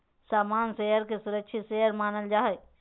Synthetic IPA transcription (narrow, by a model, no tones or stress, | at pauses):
saːmaːnsejəɾkesʊɾəkʃʰiseːəɾmaːnəld͡ʒaːɦe